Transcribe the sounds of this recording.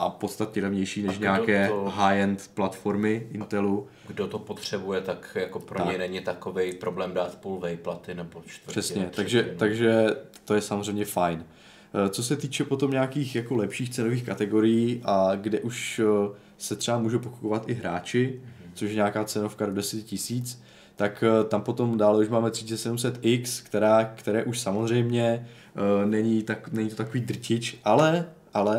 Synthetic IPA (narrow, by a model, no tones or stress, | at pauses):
ʔapot̪st̪at̪ɲɛlɛvɲɛjʃiːnɛʃɲaːkɛːɦaːjɛnt̪plat̪fo̞ɾmɪʔɪnt̪ɛlu | ɡdot̪opot̪r̝̥ɛbujɛt̪akjakopɾoaɲɛnɛɲɪt̪akovɛjpɾoblɛːmdaːt̪pulvɛjplat̪ɪnɛbot͡ʃt̪r̥ɛsɲɛt̪aɡʒɛt̪aɡʒɛt̪o̞jɛsamozrɛjmɲɛfajn | tt͡so̞sɛt̪iːt͡ʃɛpo̞t̪o̞mɲaakiːxjako̞lɛpʃiːxt͡sɛno̞viːxkat̪ɛɡo̞ɾɪjiːʔaɡdɛʔuʃ | sɛt̪r̝̥ɛamuːʒowpoku̥povat̪ʔɪɦɾa̰ːt͡ʃɪt͡soʃjɛɲaːkaːt͡sɛno̞fkado̞dɛsɛtcɪsiːt͡s | t̪akt̪ampo̞t̪o̞mdaːlɛuʃmaːmɛt̪r̝̥ɪ̥t͡sɛsɛdumsɛt̪ʔɪkskt̪ɛɾaːkt̪ɛɾɛːʔuʃsamozr̝ɛjmɲɛ | nɛɲɪt̪anɛɲɪt̪ot̪akoviːd̪r̩cɪt͡ʃʔalɛʔalɛ